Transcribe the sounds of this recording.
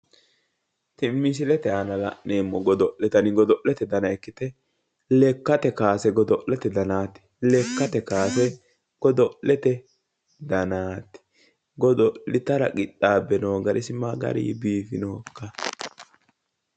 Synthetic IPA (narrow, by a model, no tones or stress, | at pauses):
t̪ɪmːis̬ɪlɛt̪ɛanɐlɐ̰ʔneːmːɔɡɔd̪ɔʔlɛt̪ɐnɪɡɔd̪ɔʔlɛt̪ɛd̪ɐnɐɛkːɪt̪ɛ | lɛkːɐt̪ɛkaːsɛɡɔd̪ɔʔlɛt̪ɛd̪ɐnaːt̪ɪ̥lɛkːɐt̪ɛkaːsɛ | ɡ̥ɔd̪ɔʔlɛt̪ɛ | d̪ɐnaːt̪ɪ̥ | ɡɔd̪ɔlɪt̪ɐɾɐ̰kʼɪt̪ʼːaːbɛnoːɡɐɾɪsɪmaɡɐ̰ɾḭːbiːfɪ̰noːkːɐ